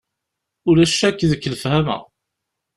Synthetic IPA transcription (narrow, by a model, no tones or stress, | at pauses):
ʊlæʃækːðəkːləfhæmə̰